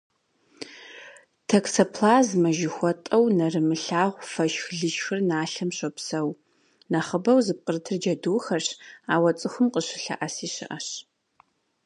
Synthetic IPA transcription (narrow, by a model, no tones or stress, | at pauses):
tʰɐksɐpʰlaːzmɐʒɪxʷɔtʼɐwnɐrɨmɨɬaːʁʷfɐʃxɮɨʃxɨrnaːɬɐmɕʷʼɐpsɐw | nɐχəbɐwzɨp̚qərtʰɨrd͡ʒɐduːxɐrɕaːwɐt͡sʼɨxʷʊmqəɕɪɬɐ̰ʔɐsiːɕɪ̰ʔɐɕ